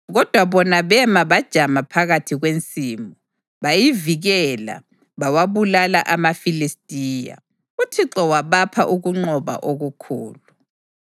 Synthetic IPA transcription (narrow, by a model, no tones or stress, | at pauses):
ɣɔd̥ʱwaβɔnaβɛmaβad̥ʒ̥ʱamapʰaɣatʰiɣwent͡sʼiːmɔ | βajiviɣɛla̰ | βawaβulala̰ʔamafilistʼiːja̰ | utʰiǁɔwaβapʰaʔuɣuŋ͡ǃɔβa̰ʔoɣukʰṵːlu